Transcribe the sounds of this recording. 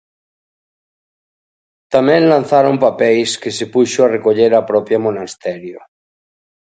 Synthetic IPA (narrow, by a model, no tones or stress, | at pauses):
t̪amẽnlan̟θaɾompapejskesepuʃoarekoʎeɾapɾɔpjamonast̪eɾjo